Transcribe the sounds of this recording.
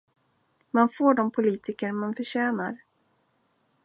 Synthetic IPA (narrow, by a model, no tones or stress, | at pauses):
manfoːɖɔmpʰʊliːt̪ʰɪkəɾmanfœɕɛːnaɾ